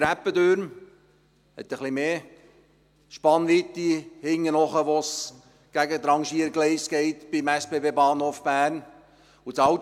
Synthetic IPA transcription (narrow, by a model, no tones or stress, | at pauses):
ɾæpːəd̪øɾm | hɛ̰t̪ːəχlimeː | ʃpɑnʋit̪ːihɪŋːənɔχəʋɔs | ɡ̥æɡət̪ɾɑŋʃiəɾɡlɛɪsɡ̥ɛɪt̪b̥imæspebeːbɑːnhoːfb̥æːɾn | usɑw